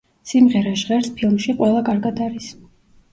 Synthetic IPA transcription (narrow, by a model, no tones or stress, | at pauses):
simʁɛɾaʃʁɛɾspʰilˠmʃiqʼwɛlˠakʼaɾɡad̪aɾis